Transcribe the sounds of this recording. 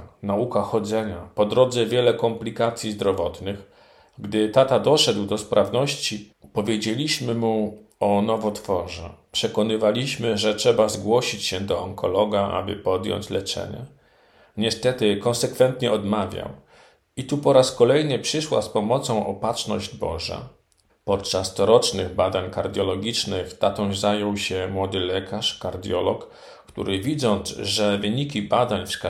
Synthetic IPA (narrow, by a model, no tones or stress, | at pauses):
naukaxɔd̪zɛɲapɔd̪ɾɔd̪zɛvʲjɛlɛkɔmplʲikat̪sʲjizd̪ɾɔvɔt̪nɘx | ɡd̪ɘt̪at̪ad̪ɔʂɛd̪wd̪ɔspɾʔavnɔɕt͡ɕipɔvʲjed͡ʑelʲiɕmɘmuɔnɔvɔt̪fɔʐɛ̰pʂɛkɔnɘvalʲiɕmɘʐɛtʂɛbazɡwɔɕit͡ɕɕɛd̪ɔɔŋkʰɔlɔɡaa̰bɘ̰pɔd̪jɔ̰ɲt͡ɕlɛt͡ʂɛ̰ɲɛ̰ | ɲɛst̪ɛt̪ɘkɔnsɛkfɛnt̪ɲɛɔd̪mavʲja̰w | it̪upɔɾaskɔlɛjnɘpʂɘʂwa̰spɔmɔt̪sɔ̃w̃ʔɔpatt͡ʂnɔʑd͡ʑbɔ̰ʐa̰ | pɔt̪̚t͡ʂast̪ɔɾɔt͡ʂnɘɣbad̪aɲkaɾd̪ʲjɔlɔɡʲit͡ʂnɘxt̪at̪ɔzajɔwɕɛmwɔd̪ɘlɛkʰaʂkaɾd̪ʲjɔlɔkː | t̪ṵɾɘvʲid̪zɔnzʐɛvɘɲikʲibad̪aɲfsk